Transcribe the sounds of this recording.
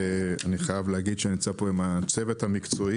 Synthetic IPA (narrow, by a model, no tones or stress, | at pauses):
aniχajavleaɡid̪ʃenimt͡sapo̞imat͡se̞vet̪hamikt͡soi